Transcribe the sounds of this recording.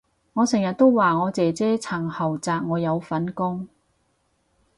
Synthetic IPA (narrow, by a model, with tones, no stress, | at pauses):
ŋɔː˨˧sɛ˨˩ŋjɐ˨t̚t̪o˥wwaː˨ŋɔː˨˧t͡sɛː˨˧t͡sɛː˥t͡sʰɐ˨˩ŋhɐ˨˩wt͡saː˧k̚ŋɔː˨˧jɐ˨˧wfɐ˨˥nkʊ˥ŋ